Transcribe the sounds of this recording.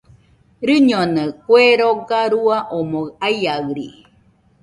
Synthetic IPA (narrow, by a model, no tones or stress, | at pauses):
ɾɨɲonəkweɾoɡaɾuaʔomoɣajaɣɾḭ